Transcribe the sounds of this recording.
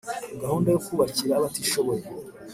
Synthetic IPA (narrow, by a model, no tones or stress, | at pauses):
ɡahuːndajokuːβaciɾaːβatiʃo̞βoje